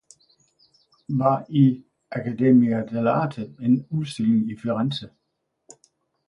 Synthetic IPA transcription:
ʋɑ̈i | ʔækʰæd̥e̝miæd̥elɑːt͡sʰəenuðˠsd̥elɪŋifiʁansə

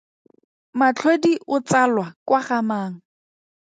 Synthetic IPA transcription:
mat͡ɬʰwediʔʊt͡salwakwaχamaːŋ̩

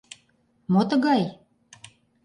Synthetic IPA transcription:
mot̪ə̆ɣɑj

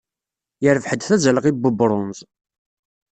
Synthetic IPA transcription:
jəɾəvħəd̪θæzæləʁibəbɾˤʊnz

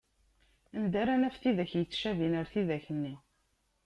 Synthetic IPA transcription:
ənd̪æɾænæfθiðæçjət͡sːʃævinəɾθiðæçənːi

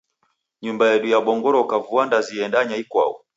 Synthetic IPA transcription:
ɲumbajɛɗujaɓɔŋɡɔɾɔkavuwandaziɛndaɲaikwa̰ṵ

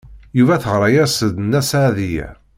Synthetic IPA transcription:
juvæθəʁɾˤɑjæsəd̪næsʕðijæ̰

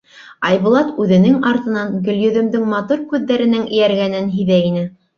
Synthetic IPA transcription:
ɑjβŭlˠɑt̪ʉðɘ̆nɘŋɑɾt̪ɤ̆nɑŋɡɵ̆ljɵ̆ðɵ̆md̪ɘŋmɑt̪uɾkʉðːæɾɘ̆nɘŋɘ̰̆jæɾɡænɘnɦiðæinɘ

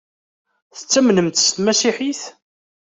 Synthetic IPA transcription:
θə̥t͡sːæmnəmt̪st̪mæsiħiθ

